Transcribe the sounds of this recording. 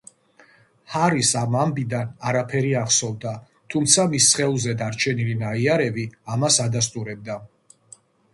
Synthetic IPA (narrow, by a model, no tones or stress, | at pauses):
haɾisamambid̪anaɾapʰɛɾiaχsɔvd̪a | t̪ʰumt̪sʰamisːχɛulˠzɛd̪aɾt͡ʃʰɛnilinaiaɾɛbiamasad̪as̬t̪ʼuɾɛb̚d̪a